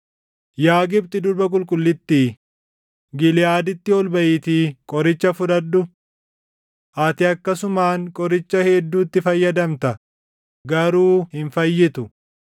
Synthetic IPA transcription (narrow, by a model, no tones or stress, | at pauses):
jaːɡɪbt̪ɪd̪ʊɾbɐk̬ʼʊlkʼʊlːɪt̪ːiː | ɡɪlɪjaːd̪ɪt̪ːɪɔlbɐʔɪt̪iːkʼɔɾɪt͡ʃːɐfʊd̪ɐd̪ːʊ | ʔɐt̪ɪɐkːɐsʊmaːŋkʼɔɾɪt͡ʃːɐhɛd̪ːuːt̪ːɪfɐjːɐd̪ɐmt̪ɐ | ɡɐɾuːhɪnfɐjːɪt̪ʊ